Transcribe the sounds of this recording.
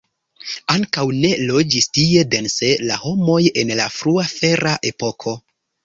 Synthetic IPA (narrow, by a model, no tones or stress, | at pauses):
aŋkawne̞lo̞d͡ʒistie̞de̞nse̞laho̞mo̞je̞nlafɾuafe̞ɾaʔe̞po̞kʰo̞